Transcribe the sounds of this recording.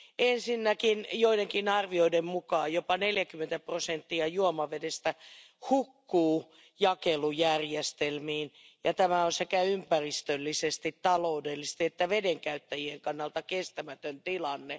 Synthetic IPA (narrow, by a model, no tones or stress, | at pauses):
ensinːækinjoideŋkinɑrʋioidemmukɑːjjopɑneljækymːˑent̪æprosent̪ːiɑjuomɑʋedest̪æ | hukːuː | jɑkelujærjest̪elmiːn | jɑt̪æmæonsekæympærist̪ølːisest̪it̪t̪ɑloudelːist̪iet̪ːæʋedeŋkæyt̪ːæjieŋkɑnːɑlt̪ɑkest̪æmæt̪ønt̪ilɑnːe